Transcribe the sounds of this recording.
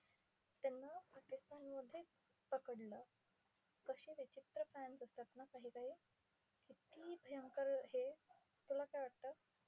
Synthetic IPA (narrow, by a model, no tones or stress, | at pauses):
t̪janːapakist̪anməd̪ʱːjet͡spəkəɽlə | kəɕiːʋit͡ɕit̪ɾəfænsəst̪at̪nakaɦiːkaɦiː | kit̪ibʱəjəŋkəɾɦe | t̪ulakajʋaɽ̚t̪ə